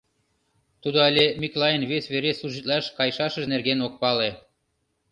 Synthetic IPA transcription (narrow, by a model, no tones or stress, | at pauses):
t̪ud̪oalʲemʲiklɑjənβesʲβeɾesluʒit̪lɑʃkɑjʃɑʃə̆ʒnerɣenok̚pɑle